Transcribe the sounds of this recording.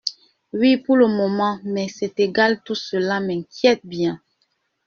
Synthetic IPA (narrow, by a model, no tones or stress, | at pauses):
wipuləmɔmɑ̃mɛsɛteɡaltusəlamɛkjɛt̚bjɛ̃